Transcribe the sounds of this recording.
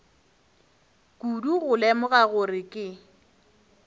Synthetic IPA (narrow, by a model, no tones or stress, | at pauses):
kʼuduɣʊlɛmʊɣaɣʊrɪkʼɪ